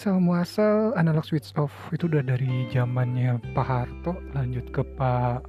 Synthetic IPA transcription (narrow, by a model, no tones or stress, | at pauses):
samuasalanalɔk̚swit̪sɔfit̪uudahdaɾid͡ʒamanɲapaɦart̪ɔhlaɲd͡ʒʊt̪̚kəpa